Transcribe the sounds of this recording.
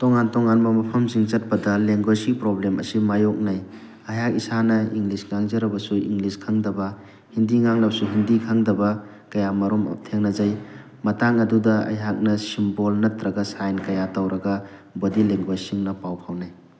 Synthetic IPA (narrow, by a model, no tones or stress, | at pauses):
toŋantoŋanmɐmɐpʰɐmziŋzɐt̚pɐdɐleŋɡwasiŋpɾoblemʔɐ̰simajok̚naj | ɐjɦak̚isanɐiŋɡlisŋaŋzɐɾɐbɐsuḭŋɡliskʰɐŋdɐbɐ | hindiŋaŋlɐbɐsuɦindikʰaŋdɐbɐ | kɐjamɐɾomɐ̰tʰeŋnɐzaj | mɐtaŋɐdudɐɐ̰jɦak̚nɐsimbolnɐtɾɐɡɐsajnkɐjatawɾɐɡɐbodileŋɡwasiŋnɐpawpʰawnaj